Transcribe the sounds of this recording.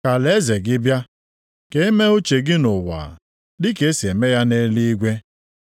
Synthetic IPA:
ka˨le˦ze˨ɡɪ˦bja˦ | ke˦e˦me˦o˦t͡ʃe˨ɡɪ˦nʊ˨wa̰˨ | dɪ˦ke˨˦si˨e˨me˦ja˦ne˦li˦i˦ɡʷe˦

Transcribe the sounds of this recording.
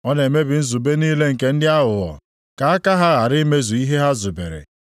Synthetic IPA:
ɔ˦ne˨me˦bɪ˨n̩˦zu˨be˦niː˦le˦ŋ̩˨ke˦n̩˦dɪ˦a˦ɦʊ˨ɣɔ̰˨ | ka˨a˦ka˦ɦa˦ɣa˨ɾɪ˦me˦zu˨i˦ɦe˦ɦa˦zʊ˨bḛ˨ɾḛ˨

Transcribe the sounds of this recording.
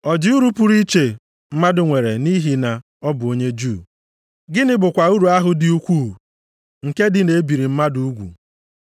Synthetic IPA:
ɔ˨d͡ʒɪ˦u˦ɾu˦pu˨ɾi˦t͡ʃe˨ | m̩˦ma˦dʊ˨ŋʷe˨ɾe˨ni˦ɦi˨na˨ | ɔ˦bʊ˨o˦ɲe˦d͡ʒu˦˨ | ɡɪ˦nɪ˦bʊ˨kʷa˨u˦ɾu˨a˦ɦʊ˨dɪ˨u˦kʷuː˦˨ | ŋ̩˨ke˦dɪ˦ne˨e˦bi˨ɾi˨m̩˦ma˦du˨u˦ɡʷṵ˨

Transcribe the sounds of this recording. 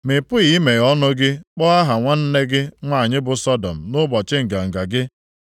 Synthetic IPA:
mɪ˨pʊ˦i˨˦me˨ɔ˦nʊ˦ɡɪ˦k͡pɔ˦a˦ɦa˨ŋʷa˦n̩˦ne˦ɡɪ˦ŋʷa˦a˨ɲɪ˦bʊ˨sɔ˦dɔ̰˨m̩˨nʊ˦bɔ˨t͡ʃɪ˦ŋ̩˨ɡa˨ŋ̩˨ɡa˨ɡɪ˦

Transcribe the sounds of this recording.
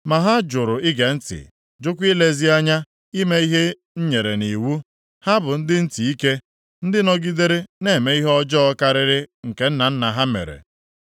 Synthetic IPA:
ma˨ɦa˦d͡ʒʊ˨ɾʊ˨ɪ˦ɡe˨n̩˦tɪ̰˨ | d͡ʒʊ˦kʷi˦le˦zi˦a˦ɲa˦ | i˦me˦i˦ɦe˦ | ɲ̩˦ɲe˨ɾe˨ni˨wu˦ | ha˦bʊ˨n̩˦dɪ˦n̩˦ti˨i˦ke˦ | n̩˦dɪ˦nɔ˦ɡi˦de˦ɾe˦ne˦˨me˦i˦ɦɔ˦d͡ʒɔ˦ɔ˦ka˦ɾɪ˦ɾɪ˦ŋ̩˨ke˦n̩˦na˨n̩˦na˨ɦa˦mḛ˨ɾḛ˨

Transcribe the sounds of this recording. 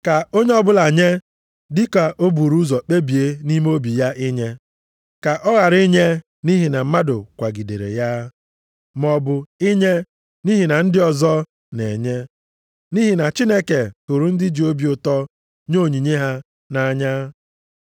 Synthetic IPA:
ka˨o˦ɲe˦ɔ˦bʊ˦la˨ɲe˦ | dɪ˦ka˨ʔo˦bu˨ɾu˦zɔ˨k͡pe˦bi˨e˦ni˦m˦o˦bi˨ja˦ʔɪ˦ɲe˦ | ka˨ʔɔ˦ɣa˨ɾi˦ɲe˦ | ni˦ɦi˨na˨m̩˦ma˦dʊ˨kʷa˨ɡi˨dḛ˨ɾḛ˨ja˦ | m˦ɔ˦bʊ˦ɪ˦ɲe˦ | ni˦ɦi˨na˨n̩˦dɪ˦ɔ˨zɔ˦ | ne˨ɲe˦ | ni˦ɦi˨na˨t͡ʃi˦ne˦ke˨tu˨ɾu˨n̩˦dɪ˦d͡ʒi˨o˦bi˨˦ʊ˨tɔ˦ | ɲo˦˨ɲi˨ɲe˦ɦa˦ | na˦˨ɲa˦

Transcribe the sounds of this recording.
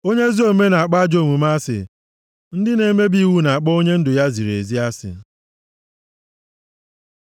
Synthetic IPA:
o˦ɲe˦zi˦o˨˦me˦na˨a˨k͡pa˦a˦d͡ʒo˦˨ŋʷu˨m˦a˦sɪ̰˨ | n̩˦dɪ˦ne˨˦me˦bi˦˨wu˦na˨a˨k͡pɔ˦o˦ɲe˦n̩˦dʊ˨ja˦zi˨ɾḛ˨zi˦a˦sɪ̰˨˦

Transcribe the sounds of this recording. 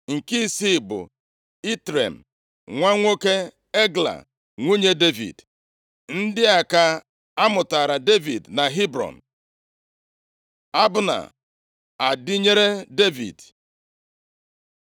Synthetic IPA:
ŋ̩˨ki˦si˦˨bʊ̰˨ | i˦tɾḛ˨m̩˨ | ŋʷa˦ŋʷo˦ke˦ | e˦ɡla̰˨ | ŋʷu˦ɲe˦de˦vḭ˨d | n̩˦dɪ˦a˨ka˦ | a˦mʊ˨ta˨ɾa˨de˦vḭ˨dna˨ɦi˦bɾɔ̰˨n̩˨ | a˦bʊ˦na̰˨ | a˨dɪ˦ɲe˦ɾe˦de˦vḭ˨d

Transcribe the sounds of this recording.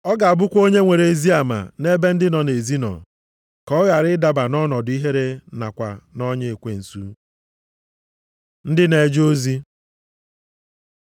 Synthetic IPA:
ɔ˦ɡa˨a˨bʊ˦kʷo˦ɲe˦ŋʷe˨ɾe˨e˨zi˦a˨ma̰˨ne˦be˦n̩˦dɪ˦nɔ˨ne˨zi˦nɔ̰˨ | kɔ˦ɣa˨ɾɪ˦da˨ba˨nɔ˦nɔ˨dʊ˨˦i˦ɦe˦ɾe˦na̰˨kʷa̰˨nɔ˦ɲe˦e˨kʷe˨n̩˨sṵ˦ | n̩˦dɪ˦ne˨d͡ʒo˦zi˦

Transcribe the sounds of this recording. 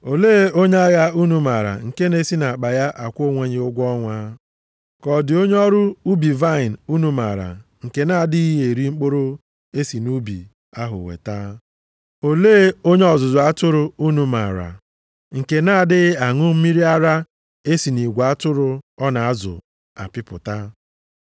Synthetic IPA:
o˨leː˦o˦ɲe˦a˦ɣa˦u˦nu˨ma˨ɾa̰˨ŋ̩˨ke˦ne˦si˦na˨k͡pa˨ja˦ʔa˨kʷo˦ŋʷe˦ɲɪ˨ʊ˦ɡʷɔ˦ŋʷa˦ | kɔ˨dɪ˨o˦ɲe˦ɔ˦ɾʊ˦u˦bi˨va˦ɪ˨n˨u˦nu˦ma̰˨ɾa̰˨ŋ̩˨ke˨na˦˨dɪ˦i˦ɦe˨ɾi˦ŋ͡m̩˦k͡po˦ɾo˦ | e˦si˨nu˦bḭ˨ | a˦ɦʊ̰˨wḛ˨ta˦ | o˨leː˦o˦ɲe˦ɔ˨zʊ˨zʊ˨a˦tʊ˦ɾʊ˦u˦nu˦ma˨ɾa̰˨ | ŋ̩˨ke˨na˦˨dɪ˦ɣa˨ŋʊ˦m̩˦mi˦ɾi˦a˦ɾa˦ | e˦si˨ni˨ɡʷa˦tʊ˦ɾʊ˦ɔ˦na˨a˦zʊ̰˨ | a̰˨pɪ˦pʊ˨ta˦

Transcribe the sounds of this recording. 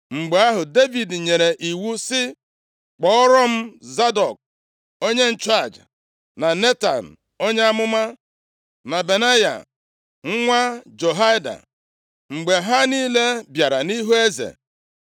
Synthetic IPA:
ŋ͡m̩˨ɡ͡be˨˦a˦ɦʊ˨de˦vi˨dɲe˨ɾe˨ʔi˨wu˦sɪ˦ | k͡pɔ˦ɔ˦ɾɔ˦m̩˦za˦dɔ˨k̚ | o˦ɲe˦n̩˦t͡ʃa˦˨d͡ʒ | na˨ne˦ta̰˨n̩˨ | o˦ɲe˦a˦mʊ˦ma˦ | na˨be˨na˦ja̰˨ | ŋ̩˦ŋʷa˦d͡ʒo˨ɦa˦jda̰˨ | ŋ͡m̩˨ɡ͡be˨ɦa˦niː˦le˦bja˨ɾa˨ni˦ɦu˦e˦zḛ˨

